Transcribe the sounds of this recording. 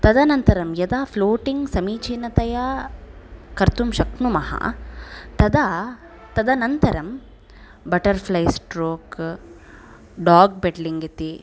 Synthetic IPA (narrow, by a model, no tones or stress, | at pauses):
t̪ɐd̪ɐnɐnt̪ɐɾɐmjɐd̪aːpʰloːʈiŋɡsɐmiːt͡ʃinɐt̪ɐjɐ | kɐɾt̪umʃɐknumɐhɐ̰t̪ɐd̪ɐ | t̪ɐd̪ɐnɐnt̪ɐɾɐm | bɐʈɐɾpʰlɐjsʈɾoːk | ɖaːɡ̚beʈliŋɡit̪i